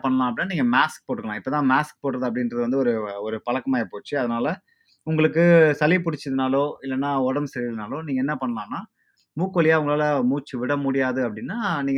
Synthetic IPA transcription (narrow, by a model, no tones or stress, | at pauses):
pɐɳːɐlãːɐp̬ɐɽɪnːaniːŋɡɐmaːsk̚poːʈːɯkːɐɭãːɪpːoːt̪ãːmaːsk̚poːʈːɾɐðɯɐp̬ːɐɽɪnɾɐðɯʋɐnd̪ɯɔɾɯɔɾɯpɐɭɐkːɐmaːjɐpoːt͡ʃːɯɐðɐnaːlɐ | ʊŋɡɐɭɯkːɯsɐlipʊɽɪt͡ʃːɐðɯnaːloːɪlːɐnːaːɔɽɐmsɛɾɪnaːloːniːŋɡɐɛnːɐpɐɳːɐlãːnːaː | muːkːolɪjaːʊŋɡɐɭaːlɐmuːt͡ʃːɯʋɪɽɐmʊɽɪjaːðɯɐpːɐɽɪnːaːniːŋ